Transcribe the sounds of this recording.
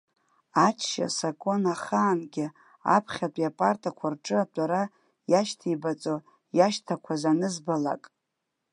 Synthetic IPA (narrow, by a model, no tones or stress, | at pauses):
at͡ʃʰʃa̰sakʼo̞naχaːnɡʲɪ | a̰pʰχʲatʷʼjapʼartʰʼakʷʰarʈ͡ʂʼɨatʷʼaɾa | jaʃtʰibat͡sʼo | jaʃtʰakʷʰazanɨzbala̰kʼ